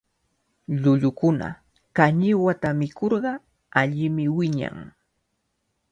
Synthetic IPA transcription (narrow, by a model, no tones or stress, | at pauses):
ʎʊʎʊkʊna̰ | kaɲɪwat̪amɪkoɾɢɑ | aʎɪmɪwɪɲa̰ŋ